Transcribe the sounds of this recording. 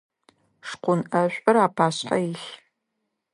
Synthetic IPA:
ʂqʷʊnʔɐɕʷʼɐɾaːpʰaːɕħajɪɬ

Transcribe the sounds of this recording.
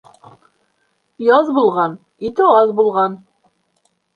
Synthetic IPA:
jɑzbulˠʁɑn | it̪ɘɑzbulˠʁɑn

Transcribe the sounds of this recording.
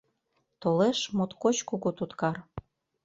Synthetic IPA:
t̪oleʃmot̪kot͡ɕkukot̪ut̪kɑr

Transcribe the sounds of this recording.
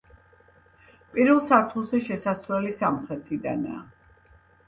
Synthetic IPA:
pʼiɾvɛlˠsaɾt̪ʰulˠzɛʃɛsasvɛlisamχɾɛt̪ʰid̪a̰na̰ː

